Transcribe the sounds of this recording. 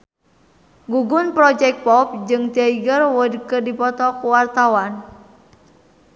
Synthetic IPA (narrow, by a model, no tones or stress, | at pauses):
ɡuɡʊnpɾɔd͡ʒɛk̚pɔp̚d͡ʒɨŋt̪iaiɡərwədkərdipɔt̪ɔkuwart̪awan